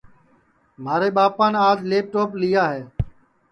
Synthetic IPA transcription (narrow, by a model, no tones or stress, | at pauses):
maːɾeːɓaːpaːnaːd͡ʒleːp̚ʈoːplɪjaːɦeː